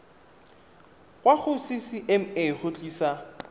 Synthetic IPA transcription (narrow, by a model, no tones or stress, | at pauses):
kwaχʊsisɪʔɛm̩eχʊt͡ɬʼiːsa